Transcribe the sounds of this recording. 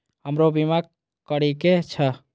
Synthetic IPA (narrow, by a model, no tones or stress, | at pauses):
ɦəmɾobima | kəɾiket͡ʃʰə